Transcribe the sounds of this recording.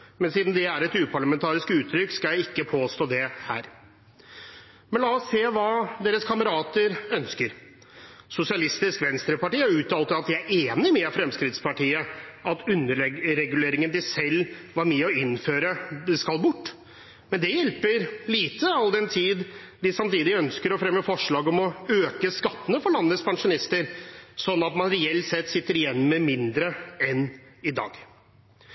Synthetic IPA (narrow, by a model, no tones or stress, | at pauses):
mɛnsiːd̪n̩m̩d̪ɛæɾɛt̪ʉːpʰɑɭɑmɛnt̪ʰɑːɾɪskʉːt̪ʰːɾʏkskɑljæɪɪkːəpʰoːst̪oːd̪ɛhæ̰ːɾ | mɛnlɑːɔsːeːʋɑːd̪eːɾəskʰɑməɾɑːt̪əɾœnskəɾ | sʊsɪɑlɪst̪ɪskʋɛnst̪ɾəpɑʈiːɑɾʉːt̪ʰɑlt̪əɑt̪̚j̪ææɾʔeːnɪmɛfɾɛmskɾɪt̪spɑʈiːəʔɑt̪ʉnːəɾɾɛɡʉleːɾɪŋənd̪ɪsɛlʋɑɾmɛːɔɪnføːɾəd̪ɛskɑlbʊʈː | mɛnd̪ɛjɛlpəɾliːt̪əɑld̪ɛnt̪ʰiːd̪ | d̪ɪsɑmt̪iːd̪ɪœnskəɾɔfɾɛmːəfɔʂɭɑːɡɔmɔøːkəskɑt̪ːənəfɔɭɑnːlət̪spʰɑŋʂʊnɪst̪əɾsɔnːɑt̪mɑnɾɛɛlt̪sɛt̪ːsɪt̪ːəɾɪjɛnːməmɪnd̪ɾəɛnɪd̪ɑ̰ːɡ